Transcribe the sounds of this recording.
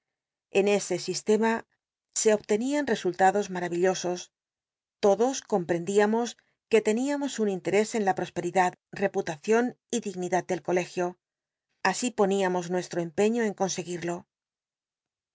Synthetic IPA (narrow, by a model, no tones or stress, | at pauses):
e̞ne̞se̞sist̪e̞ma | se̞o̞βt̪e̞nianre̞sult̪aðo̞zmaɾaβiʎo̞so̞s | t̪o̞ðo̞sko̞mpɾe̞nd̪iamo̞s | ke̞t̪e̞niamo̞sunĩnt̪e̞ɾe̞se̞nlapɾo̞spe̞ɾiðaðre̞put̪aθjo̞n | iðiɣniðat̪̚d̪e̞lko̞le̞xjo̞ | asipo̞niamo̞znwe̞st̪ɾo̞e̞mpe̞ɲo̞e̞ŋko̞nse̞ɣiɾlo̞